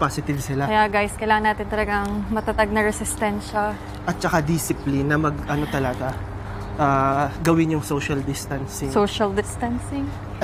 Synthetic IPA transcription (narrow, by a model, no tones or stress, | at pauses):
pasɪt̪ɪvsɪlaɐjaɡajskɐjlaːŋɐnaːt̪ɪnt̪ɐlɐɡaŋmɐt̪at̪aɡ̚nɐɾɛsɪst̪ɛnʃɐ | ʔɐt̪̚t͡ʃɐkad̪isɪplɪnːɐmɐɡʔɐno̞t̪ɐlɐɡa | ʔaːɡɐwɪnjʊŋsoʃɐld̪ɪst̪ɐnsɪsoʃɐld̪ɪst̪ɐnsɪŋ